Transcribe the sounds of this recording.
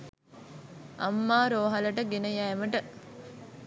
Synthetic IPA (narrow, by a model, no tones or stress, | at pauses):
ɐmːaːɾoːɦɐləʈəɡenəjæːməʈə